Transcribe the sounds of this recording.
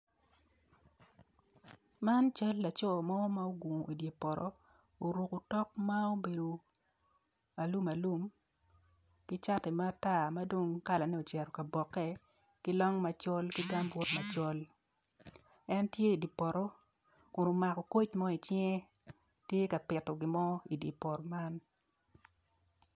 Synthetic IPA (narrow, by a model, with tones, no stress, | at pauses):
ma˦nt͡ʃa˦lːa˨t͡ʃɔ˦˨mɔ˦ma˦o˦ɡwo˨ŋo˨ʔi˨dje˨pɔ˨ɾʔɔ̰˦ | o˨ɾu˨ko˨tɔ˦k̚ma˦o˦be˨do˨ | a˨lu˦ma˨lu˦m | ki˦t͡ʃa˦tɛ˨ma˦a˦ta˦˨ma˦do˦ŋka˦la˨nɛ˦o˨t͡ʃɛ˨ɾɔ˨ka˨bɔ˨kːɛ˦ | ki˦lɔ˦ŋma˦t͡ʃɔ˦lki˦ɡa˦mbʊ˦tma˨t͡ʃɔ˦l | ɛ˦ntje˦i˨di˨pɔ˨ɾɔ˦ | kʊ˨no˨ma˨kɔ˨ko˦t͡ʃmɔ˦i˨t͡ʃɪŋɛ˦ | tje˦ka˨pɪ˨tɔ˨ɡɪ˨mɔ˦i˨dji˨pɔ˨ɾɔ˨ma˦n